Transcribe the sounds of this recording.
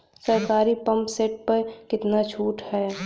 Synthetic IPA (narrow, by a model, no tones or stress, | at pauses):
səɾkaːɾipə̃mpseːʈ̚pəɾkɪt̪nat͡ʃʰuːʈɦɛː